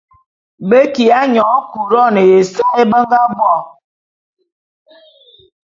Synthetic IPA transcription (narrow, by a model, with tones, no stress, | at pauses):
be˦ki˨a˦ɲɔ˨˦ku˨ɾɔ˦˨ne˨je˨sa˦e˦bə˦ŋ˦ɡa˦bwɔ˦˨